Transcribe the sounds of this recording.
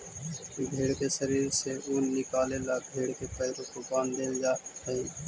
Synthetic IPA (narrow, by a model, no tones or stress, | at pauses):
bʱeːɽkeʃəɾiːɾseuːnːɪkaːlelabʱeːɽkepəɪɾõkokaːnd̪eːld͡ʒaːẽː